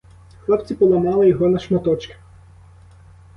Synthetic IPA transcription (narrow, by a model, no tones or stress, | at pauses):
xlˠɔpt͡sʲipɔlˠɐmɑlˠɪjɔɦɔnɐʃmɐt̪ɔt͡ʃkɪ̥